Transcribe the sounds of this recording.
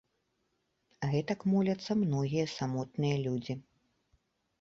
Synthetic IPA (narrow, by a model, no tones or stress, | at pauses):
ɣɛt̪ɐkmɔlʲɐt̪sːɐmnɔɣʲijɐsamɔt̪̚nɨjɐlʲud͡zʲi